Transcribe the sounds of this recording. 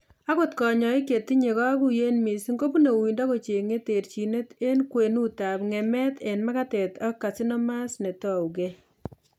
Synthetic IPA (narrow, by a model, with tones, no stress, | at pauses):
a˦ko˦tkɔ˨ɲɔ˨i˦ke˨ti˦ɲe˨ka˦ku˨je˦nmi˨sŋɡo˦pu˦ne˨wi˨ndɔ˦ko˨t͡ʃe˨ŋe˦te˨ɾt͡ʃi˨ne˦te˦nkwe˨nu˦ta˨pŋɛ˨mɛ˦te˨nma˦ka˦tɛ˨ta˦kːa˨si˦nɔ˦ma˦sne˨tɔ˦uke